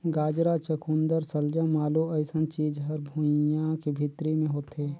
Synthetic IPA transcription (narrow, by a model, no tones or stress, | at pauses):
ɡaːd͡ʒɾat͡ʃəkʰund̪əɾsəld͡ʒə̃maːloəɪsənt͡ʃiːd͡ʒɦɐɾbʱujãkebʱit̪ɾimẽɦoːt̪ɦɛː